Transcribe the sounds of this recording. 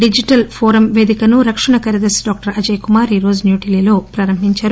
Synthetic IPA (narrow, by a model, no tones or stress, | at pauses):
ɖid͡ʒiʈɐlpʰoːɾɐmʋe̞ːd̪ikɐnuɾɐkʂɐɳɐkɐɾɐd̪ɐsɖɔːk̚ʈɐɾɐd͡ʒɐjkumaːɾiːɾo̞ːd͡ʒunjuːʈiliːlo̞ːpɾɐːɾɐmɦiɲt͡ʃaːɾu